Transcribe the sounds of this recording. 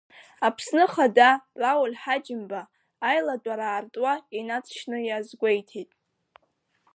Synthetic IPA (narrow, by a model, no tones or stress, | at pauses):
apʰsnɨχadarawalħad͡ʒɪmbaː | jladʷʼaɾaːrtʼwainat͡sʰʃnɨjazɡʷejtʰitʼ